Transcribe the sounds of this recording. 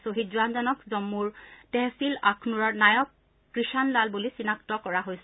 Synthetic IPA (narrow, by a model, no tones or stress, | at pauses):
soɦit̚zuanzɔnɔkzɔmːuɹtɛsilakʰnuɹɔɹnajɔkː | ɹiʃanlalbulisinak̚tɔkɔɹaɦojs